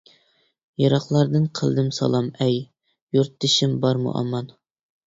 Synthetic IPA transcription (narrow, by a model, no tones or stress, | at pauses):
jɑɾɑχlˠɑɾd̪ɨnqʰə̰lˠd̪ɨmsɑ̰lˠɑmɛj | juɾt̪̚ːɪʃimbɑɾmṵʔɑ̰mɑn